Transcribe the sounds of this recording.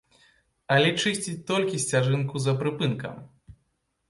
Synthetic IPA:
ɐlʲɛt͡ʂɨsʲt͡sʲit̪ɔlʲkʲisʲt͡sʲaʐɨnkuzɐpɾɨpɨnkɐ̰m

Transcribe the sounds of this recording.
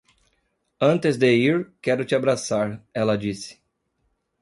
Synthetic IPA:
ɐ̃nt̪ɪzd̪eiɾkɛɾʊt͡ʃɪabɾasaɾɛlɐd͡ʒisɪ̥

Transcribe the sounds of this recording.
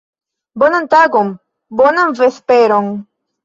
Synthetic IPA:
bonɐnt̪aɡom | bonɐmvespeɾoŋ

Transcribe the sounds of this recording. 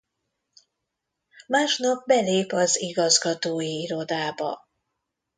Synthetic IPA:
maːʃnɒb̚bɛleːpɒziɡɒzɡɒt̪oːjiiɾo̞d̪aːbɒ̰

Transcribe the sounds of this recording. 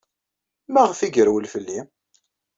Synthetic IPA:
mæʁfiɡəɾwəlfəlːi

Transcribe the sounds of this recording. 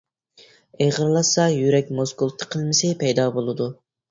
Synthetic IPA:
eʁəɾlˠɑsɑjyɾɛk̚ʲmozɡulˠt̪ʰːə̥qʰəlˠmɪsɪpʰɛjd̪ɑːbolˠɨd̪u

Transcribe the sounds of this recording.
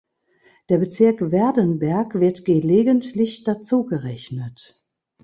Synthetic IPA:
d̥eːɐbət͡sɪɐkv̥ɛɐdənbɛɐkv̥ɪɐtɡ̥eleːɡəntlɪçd̥at͡suːɡəʁɛçnət

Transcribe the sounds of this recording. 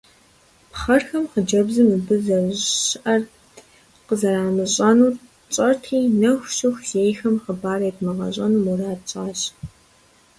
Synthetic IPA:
pχɐrxɐmqəd͡ʒɐbzɨmɨbɨzɐɕʔɐr | qəzɐɾaːmɨɕʼɐnuːr | t͡ʃʼɐrtʰiːnɐxʷɕɪxzeːjxɐmqəbaːɾɐjtʰmɨʁɐ̰ɕʼɐnumuraːtt͡ʃʼaːɕ

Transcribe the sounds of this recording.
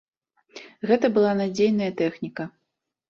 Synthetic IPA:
ɣɛt̪ɐbɨlˠanad͡zʲejnɐjɐt̪ɛxnʲikɐ

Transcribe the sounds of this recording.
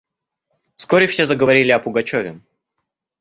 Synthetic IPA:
fskoɾʲɪfsʲezəɡəvɐɾʲilʲɪɐpʊɡɐt͡ɕovʲɪ

